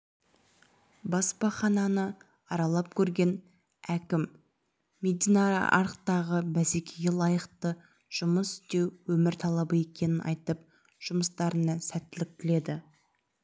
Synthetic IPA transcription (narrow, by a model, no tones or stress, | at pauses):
bɑspɑχɑnɑnə | ɑɾɑlˠɑp̚kʲʰɵɾɡʲe̞n | ækʲɪmː | e̞d̪ijnɑɾa̰ʔɑɾqt̪ɑʁəbæse̞kʲʰeɡʲelˠɑjəqt̪ə | ʒ̥ʊməsʏ̥st̪e̞wwɵmɪɾt̪ʰɑlˠɑbəe̞kʲe̞nɪnʔɑ̰jt̪əp̚ | ʒ̥ʊməst̪ɑɾənɑsæt̪ːɪlɪk̚t̪ɪle̞d̪ɪ